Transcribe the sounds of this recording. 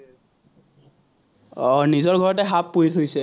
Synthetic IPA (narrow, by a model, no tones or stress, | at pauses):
ɔnizɔɹɡʱɔɹɔtɛɦapːuɹitʰojsɛ